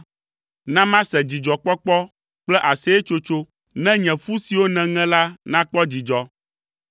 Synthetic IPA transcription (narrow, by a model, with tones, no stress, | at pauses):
nã˦mã˦sɛ̃˨d͡ʑi˨d͡ʒɔ˨k͡pɔ˦k͡pɔ˦ | k͡plɛ˦ʔa˨sɛ˦e˦t͡ʃo˦t͡ʃo˦ | nɛ̃˦ɲɛ̃˨fu˦si˨wo˦nɛ̃˨ŋɛ̃˦la˦nã˦k͡pɔ˦d͡ʑi˨d͡ʒɔ˨